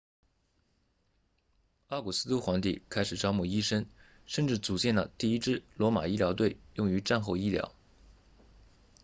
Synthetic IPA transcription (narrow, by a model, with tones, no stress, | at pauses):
ɑ˥˩ku˨˩sɹ̩˥t̪u˥xwa˧˥ŋt̪ḭ˥˩kʰa˥ɪʂɻ̩˨˩ʈ͡ʂɑ˥ʊmu˥˩i˥ʂə˥n | ʂə˥˧nʈ͡ʂɻ̩˥˩t͡su˨˩t͡ɕjɛ˥˩nlə˩t̪i˥˩i˥ʈ͡ʂɻ̩˥˩lwɔ˧˥ma̰˨˩i˥ljɑ˧˥ʊt̪̬we˥˩ɪjʊ˥˩ŋy˧˥ʈ͡ʂa˥˧nxo˥˧ʊi˥ljɑ̰˧˥ʊ